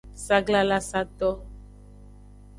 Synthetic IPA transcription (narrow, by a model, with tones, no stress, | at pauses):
sa˦ɡla˦la˦sa˦t̪ɔ˦